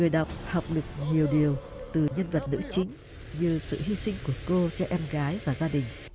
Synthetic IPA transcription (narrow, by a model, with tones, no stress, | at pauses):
ŋɨ˨˩əjɗa˨˩wk͡p̚ha˨˩wk͡p̚ɗɨ˨˩ək̚ɲi˨˩əwɗi˨˩əw | t̪ɨ˨˩ɲə˧nvə˨˩t̚nɨ̰˧˥t͡ɕï˨˦ŋ̟ | ɲɨ˧sɨ̰˧˨ɦi˧sï˧ŋ̟ku˧˩əko˧t͡ɕɔ˧ʔɛ˧mɣaː˨˦jvaː˨˩zaː˧ɗï˨˩ŋ̟